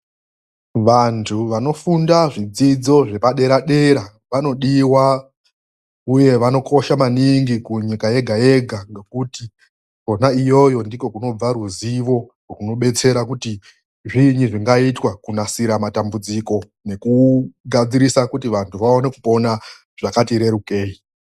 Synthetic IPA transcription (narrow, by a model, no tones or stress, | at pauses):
ʋantʰuʋano̞fundaʐid͡zid͡zo̞ʐe̞paɗe̞ɾaɗe̞ɾa | ʋano̞ɗiwa | uje̞ʋano̞kʰo̞ʃamaniŋɡikuɲikaje̞ɡʱaje̞ɡʱaŋɡe̞kuti | ko̞naijo̞jo̞ndiko̞kuno̞b͡vaɾuziʋo̞kokuno̞ɓe̞t͡se̞ɾakuti | ʐiɲiʐiŋɡaitwakunasiɾamatambud͡ziko̞ | ne̞kuɡʱad͡ziɾisakutiʋantʰuʋao̞ne̞kupo̞na | ʐ̥akatiɾe̞ɾuke̞ːi